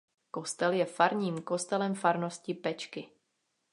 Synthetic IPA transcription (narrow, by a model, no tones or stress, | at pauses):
ko̞st̪ɛljɛfaɾɲiːmko̞st̪ɛlɛmfaɾnoscɪpɛt͡ʃkɪ